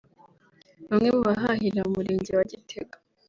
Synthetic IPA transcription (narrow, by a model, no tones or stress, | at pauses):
numŋemuβaɦahiɾaumuɾiːɲɟiwaɟitʰe̞ɡḁ